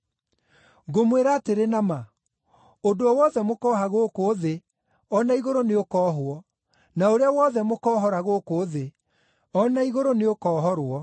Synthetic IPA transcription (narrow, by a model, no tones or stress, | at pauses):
ɡomweɾaːteɾenama | odoɔwɔðɛmokɔːɦaɣoːkoːðe | ɔnaiɣoɾoneokɔːɦwɔ | naoɾeawɔðɛmokɔːɦɔɾaɣoːkoːðe | ɔnaiɣoɾoneokɔːɦɔɾwɔ